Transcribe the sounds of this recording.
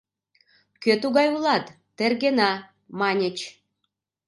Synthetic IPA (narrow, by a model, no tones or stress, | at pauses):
køt̪uɣɑjulɑt̪ːerɣenɑ | mɑnʲət͡ɕ